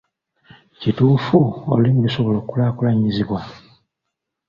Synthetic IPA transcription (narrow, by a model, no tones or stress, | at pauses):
cituːfuo̰limumiso̞βo̞loːkulaːkulaɲiziβwa